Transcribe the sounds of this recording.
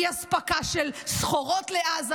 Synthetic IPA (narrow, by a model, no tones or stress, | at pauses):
aspakaʃelsχo̞ʁo̞tleaːz